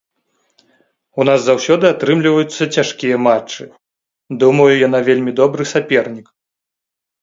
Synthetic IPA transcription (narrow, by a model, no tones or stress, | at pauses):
unazːawsʲɔd̪ɨat̪ɾɨmlʲivɐjut̪sːɐt͡sʲaʂkʲijɐmat͡ʂːɨ | d̪umɐjujan̪avʲelʲmʲid̪ɔbɾɨsapʲɛrnʲik